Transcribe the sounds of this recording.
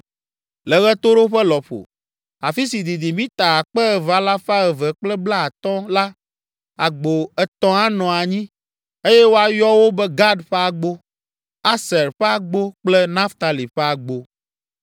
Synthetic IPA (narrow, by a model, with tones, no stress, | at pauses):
lɛ˨ɣɛ˦t̪o˦ɾo˦ɸɛ˦lɔ˨ɸo̰˨ | a˨fi˦si˨d̪i˨d̪i˨mĩ˦t̪a˨a˨k͡pɛ˦ɛ˨va˨la˦fa˦ɛ˨vɛ˨k͡plɛ˦bla˦a˨t̪ɔ̃˦la˦ | a˨ɡ͡bo˨ɛ˨t̪ɔ̃˦a˦nɔ̃˨a˨ɲĩ˦ | e˦jɛ˦wo˦a˨jɔ˦wo˦bɛ˦ɡa˦ɖɸɛ˦a˨ɡ͡bo˦ | a˦sɛ˨ɾɸɛ˦a˨ɡ͡bo˦k͡plɛ˦nã˦ft̪a˨li˨ɸɛ˦a˨ɡ͡bo˦